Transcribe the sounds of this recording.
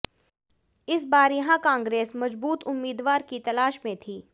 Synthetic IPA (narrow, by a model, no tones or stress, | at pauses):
ɪsbaːɾjɐɦãkãːŋɡɾeːsmɐd͡ʒbuːt̪ʊmːiːd̪ʋaːɾkit̪ɐlaːʃmẽt̪ʰiː